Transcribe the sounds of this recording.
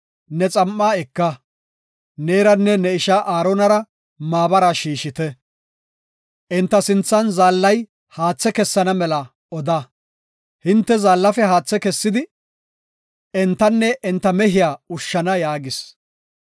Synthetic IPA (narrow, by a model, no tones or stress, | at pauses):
nɛt͡sʼɐmːaːɛkːɐ | neːɾɐnːɛnɛɪʃaʔaːɾɔnɐɾɐ | maːbɐɾɐʃiːʃɪt̪ɛ | ʔɪnt̪ːɐsɪnt͡sːɐnzaːlːɐj | haːt͡sːɛkɛsːɐnɐmɛlɐ | ɔd̪ɐ | hɪnt̪ːɛzaːlːɐfɛhaːt͡sːɛkɛsːɪd̪ɪ | ɛnt̪ːɐnːɛʔɛnt̪ːɐmɛhɪjaːʊʃːɐnɐjaːɡɪs